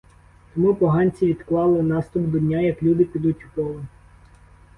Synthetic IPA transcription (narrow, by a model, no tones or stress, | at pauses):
t̪ɔmupɔɦɑnʲt͡sʲiʋʲid̪klˠɑlˠɪnɑst̪ʊbd̪ɔdʲnʲajɐklʲud̪ɪpʲid̪utʲukɔlˠɔ